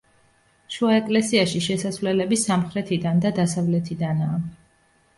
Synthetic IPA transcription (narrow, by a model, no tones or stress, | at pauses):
ʃuaɛkʼlɛsiaʃiʃɛsasvlɛlɛbisamχɾɛt̪ʰid̪and̪ad̪asavlɛt̪ʰid̪anaː